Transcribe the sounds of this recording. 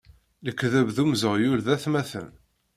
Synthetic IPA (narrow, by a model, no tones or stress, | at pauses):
ləkːðəvðumzəʁjulðæθmæθə̰n